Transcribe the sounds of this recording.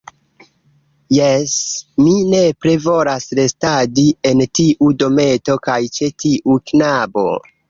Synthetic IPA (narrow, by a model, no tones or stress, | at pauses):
jesmine̞pɾe̞vo̞lasɾe̞stadie̞ntiʔudo̞me̞to̞kajt͡ʃe̞tiʔuknabo̞̰